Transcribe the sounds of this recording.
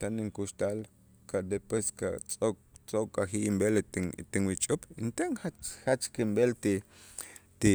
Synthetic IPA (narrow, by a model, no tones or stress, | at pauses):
t̪aniŋkuʃt̪al | kad̪epweskat͡sʼokʼt͡sʼokʼaxiʔimbelt̪iŋwit͡ʃʼupint̪aŋxat͡ʃxat͡ʃkimbelt̪i | t̪i